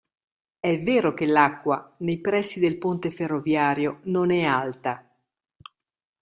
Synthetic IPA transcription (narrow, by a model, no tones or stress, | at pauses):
ɛveːɾokelakːwanejpɾɛsːid̪elpont̪eferːovjaːɾjononɛalt̪a